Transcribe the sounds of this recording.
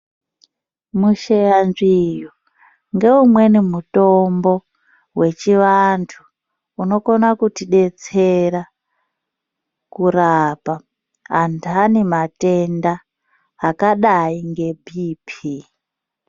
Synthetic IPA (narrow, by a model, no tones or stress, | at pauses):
muʃejanʐiju | ŋɡe̞umwe̞nimuto̞mbo̞ | we̞t͡ʃiʋantʰuː | no̞konakutiɗe̞t͡se̞ɾa | kurapa | antanemate̞ndaː | kaɗaiŋɡe̞bʱiːpʰi